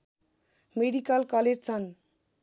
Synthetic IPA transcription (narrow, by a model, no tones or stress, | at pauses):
meɖikalkɔled͡ʑt͡sʰʌn